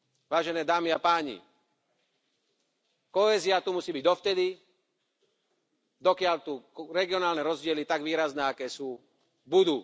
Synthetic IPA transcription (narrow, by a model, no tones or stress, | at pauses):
ʋaːʒɛnɛːd̪aːmiapaːɲḭ | kɔɛːziat̪umusiːbiɟd̪ɔft̪ɛd̪i | d̪ɔkɪalt̪uɾɛɡiɔnaːlnɛɾɔzɟɪɛlit̪aɡʋiːɾaznɛːakɛːsuː | bud̪u